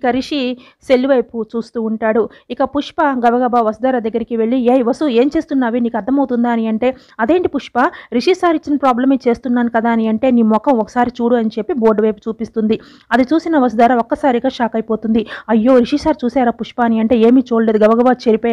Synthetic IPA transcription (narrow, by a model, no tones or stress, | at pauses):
ikɐɾiʂi | se̞lːiʋɐjput͡ʃuːst̪uːɳʈaːɽuikɐpuʂpɐɡɐʋɐɡɐbaːʋɐsud̪aːɾad̪ɐɡːɐɾikiʋe̞ɭːieːjʋɐsue̞ːmt͡ʃeːst̪unːaːʋiniːkɐɾd̪ʱɐmɐwt̪und̪aːniɐɳʈe̞ː | ɐd̪e̞ːɳʈipuʂpaɾiʂisaːɾit͡ʃːinɐpɾaːblɐmet͡ʃe̞ːst̪unːaːnukɐd̪aːniɐɳʈe̞ːniːmmɔkːɐmɔkːɐ̥saːɾit͡ʃuːɽuɐnit͡ʃe̞pːibo̞ːɾɖʋɐjpu̥t͡ʃuːpist̪und̪i | ɐd̪it͡ʃuːsinɐʋɐsud̪aːɾaokːɐsaːɾiɡaːʂaːkɐjpo̞ːt̪und̪iɐjːo̞ːɾiʂisaːɾt͡ʃuːsaːɾaːpuʂpaːniɐɳʈe̞ːe̞ːmiːt͡ʃoːɽle̞ːd̪uɡɐʋɐɡɐbaːt͡ʃeɾipo